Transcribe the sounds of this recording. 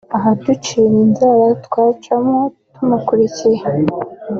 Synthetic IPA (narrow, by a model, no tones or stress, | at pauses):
aɦadut͡ʃininzaɾatwaːt͡ʃamo | tumakuɾicija